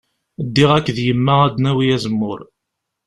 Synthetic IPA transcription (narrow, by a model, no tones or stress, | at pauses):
d̪ːiʁækːðjəmːææd̪næwijæzəmːʊɾ